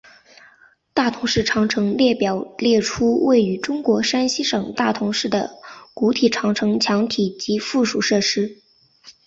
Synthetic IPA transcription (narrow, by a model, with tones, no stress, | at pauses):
t̪a˥˩t̪ʰʊ˧˥ŋʂɻ̩˥˩ʈ͡ʂʰɑ˧˥ŋʈ͡ʂʰɤ˧˥ŋljɛ˥˩pjɑ˨˩ʊljɛ˥˩ʈ͡ʂʰu˥we˥˩ɪy˧˥ʈ͡ʂʊ˥ŋkwɔ˧˥ʂa˥nɕi˥ʂɤ˨˩ŋt̪a˥˩t̪ʰʊ˧˥ŋʂɻ̩˥˩d̪ə̰˩ku˧˥t̪ʰi˨˩ʈ͡ʂʰɑ˧˥ŋʈ͡ʂʰɤ˧˥ŋt͡ɕʰjɑ˧˥ŋt̪ʰi˨˩t͡ɕi˧˥fu˥˩ʂu˨˩ʂɤ˥˩ʂɻ̩˥